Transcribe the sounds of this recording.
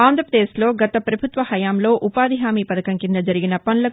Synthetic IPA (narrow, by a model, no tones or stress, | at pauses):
aːnd̪ʱɾɐpɾɐd̪eːslo̞ːɡɐt̪ɐpɾɐbʱut̪ʋɐhɐjaːmlo̞ːʔupaːd̪ʱiɦaːmiːpɐd̪ɐkɐŋkind̪ɐd͡ʒɐɾiɡinɐpɐnlɐk